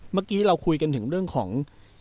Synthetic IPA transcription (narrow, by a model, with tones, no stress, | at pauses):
maː˥˩kiː˦˥ɾa˧wkʰu˧jka˧nt̪ʰɯ˩˦ɾɯ˥˩əŋkʰɔ̰ː˩˦ŋ